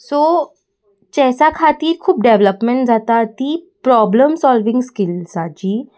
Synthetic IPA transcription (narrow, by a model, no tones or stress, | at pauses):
so | t͡ɕɛɦsakʰat̪iːɾkʰuːp̚ɖeʋləpmeɳʈd͡zat̪at̪iːpɾɔbləmsɔlʋɪ̃ŋɡskɪlsad͡ʑiː